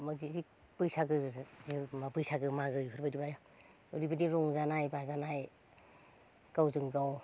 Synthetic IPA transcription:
mazizi | pɯjsaɡɯzimapɯjsaɡɯmaɡɯjpʰɯɾbajdibajɔ | uɾibɯdiɾuŋzanajbazanaj | kawzɯŋɡaw

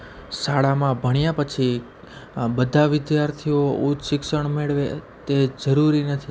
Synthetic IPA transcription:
saɭamãbʱəɳ̃japət͡ʃʰi | bəd̪ʱaʋɪd̪jaɾt̪ʰiout͡ʃʃɪkʃəɳmeɭʋet̪ed͡ʒəɾuɾinət̪ʰi

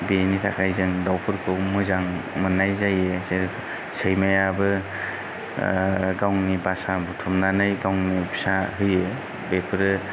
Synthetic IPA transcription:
benitʰakʰajzɯŋdawpʰɯɾkʰɯwmɯzaŋmɯnːajzajeseɾ | sejmajabɯ | ɡawŋnibasabutʰumnanɯjɡawŋnibisaɦɯje | bepʰɯɾɯ

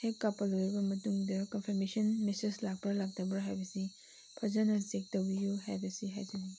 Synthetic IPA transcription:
hekːapːɐlojɾibɐmɐtuŋdɐkɐnpʰɐɾmesɐnmeseslak̚pɐlak̚tɐbɾɐɦajbɐsi | pʰɐzɐnɐsek̚tɐwbijuɦajbɐsiɦa̰jtɐni

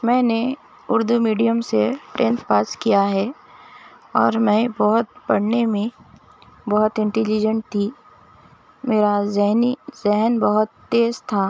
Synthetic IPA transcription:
mɛ̃ːne | ʊɾd̪umiːɖijəmseʈẽːnt̪paːskijaɦɛ | ɔːɾmɛ̃bɔɦʊt̪̚pɐɽ̤nemẽ | bɔɦʊt̪ɪ̃ɳʈɛlid͡ʒə̃ɳʈ̚t̪ʰːiː | meːɾazɛɦnizɛɦənbəɦʊt̪ːeːzt̪ʰaː

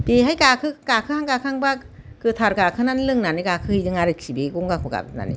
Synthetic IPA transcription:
teɦajkakʰɯkaːkʰɯhaŋkakʰaŋba | kɯt̪ʰaɾkaːkʰɯnanlɯŋnanikakʰɯhidɯŋaɾit̚kʰibeɡuŋɡakʰuka̰na̰ḭ

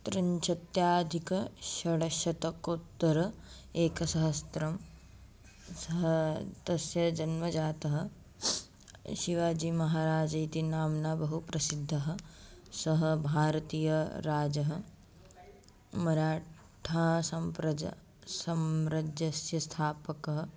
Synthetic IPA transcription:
t̪ɾɐɲt͡ʃɐt̪jaːd̪ʱikɐʃɐɽɐʃɐt̪ɐkot̪ːɐɾɐ | eːkɐsɐɦɐst̪ɾɐm | sɐɦɐt̪ɐsjɐd͡ʒɐnmɐd͡ʒaːt̪ɐɦɐ̆ | ʃiʋaːd͡ʒiːmɐɦaːɾaːd͡ʒɐjt̪inaːmnaːbɐɦupɾɐsid̪ʱːɐɦɐ̆sɐɦɐbʱaːɾɐt̪iːjɐɾaːd͡ʒɐɦɐ | mɐɾaː | ʈʰaːsɐmpɾɐ̰ | sɐmɾɐd͡ʒjɐsjɐst̪ʰaːpɐkɐɦɐ̆

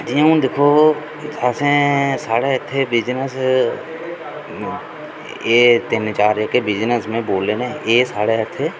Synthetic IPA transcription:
d͡ʒijə̃ũd̪ekʰoː | asẽːsaːɽeːɪt̪ʰːeːbɪd͡ʒnəs | eːt̪ɪnt͡ʃaːɾekebɪd͡ʒnəsmẽboːleːnẽeːsaːɽeɪt̪ʰːeː

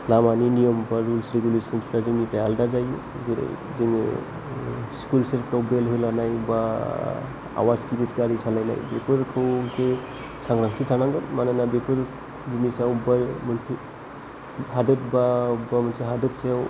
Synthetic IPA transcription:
lamaninijɔmbaɾulsɾeɡulesɔnsʰaziŋipɾajaldazaj | zeɾa̰j | ziŋ | skulseɾʈɔbɾelɦɯlanajba | a̰wazkiɾitkaɾisalajna̰jbekʰɔɾkʰɯwse | saŋɾaŋsʰitʰanaŋɡamananabekʰɔɾ | zumisawubamɔntʰ | hadɯt̚baubamɔnseɦadɯtseaw

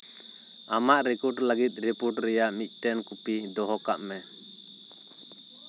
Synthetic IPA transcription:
amaʔɾikɔʈləɡit̪̚ˀɾipuʈɾɛjaʔmit̪̚ˀʈɛnkupid̪ɔɦɔka̰ʔmɛ

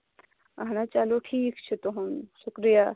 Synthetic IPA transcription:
aɦnat͡ʃaloʈʰiːkt͡ʃʰet̪oɦũmʃʊkɾija

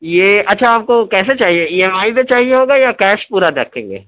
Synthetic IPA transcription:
jeːʔɐtːʃʰaaːp̚kokɛːset͡ʃaːɦieiːɛmaːid̪et͡ʃaːɦieɦoːɡajakɛːʃpuːɾad̪eːkʰḛ̃ːŋɡḛː

